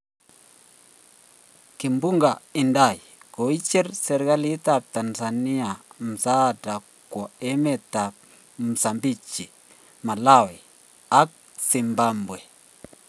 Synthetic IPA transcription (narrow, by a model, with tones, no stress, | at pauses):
ki˨mbu˦ŋɡa˨i˨nda˦˨jɡ̥o˨˦i˦t͡ʃi˦ɾsɛ˨ɾɡa˦li˦ta˦˨p̚ta˨nsa˨ni˦a˨m̩˨sa˦˨da˨ | kːɔ˨ɛ˦mɛ˨ta˨p̚ | m̩˨sa˨mbi˦t͡ʃi˨ | ma˨la˦˨wɛ˨ | a˦k̚ | si˨mba˦mbwe˨